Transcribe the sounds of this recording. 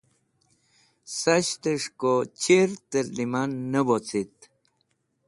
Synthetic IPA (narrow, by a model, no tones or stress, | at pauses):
saɕt̪əʂkot͡ɕiɾt̪əɾlimanːəbot͡sit̪̚